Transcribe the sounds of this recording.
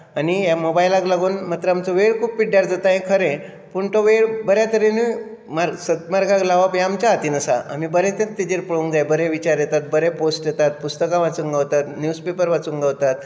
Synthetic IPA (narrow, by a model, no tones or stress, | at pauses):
anijamobajlaklaɡuːnmat̪ɾəamt͡soʋeɽkʰuːppiɽjaɾd͡zat̪aɦẽkʰəɾẽ | puɳt̪oʋeɽbəɾjat̪əɾenimaɾsət̪maɾɡaklaʋapjaamt͡ɕaɦat̪iːnəsa̰a̰mibəɾet̪ẽt̪ːid͡ʑeɾpəɭuŋɡd͡zajbəɾeʋit͡ɕaɾjet̪at̪̚bəɾeposʈjet̪at̪̚pust̪əkaʋat͡suŋɡawt̪at̪njuspepəɾʋat͡suŋɡaʋt̪at̪̚